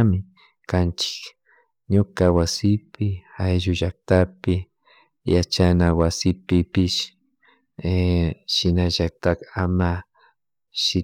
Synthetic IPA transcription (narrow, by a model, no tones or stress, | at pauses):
mɪ | kant͡ʃɪ̥k | ɲʊkawasɪpɪajʒʊʒak̚t̪apɪ | jat͡ʃanawasɪpɪpɪʃ | eʃɪnaʒak̚t̪akama | ʃɪ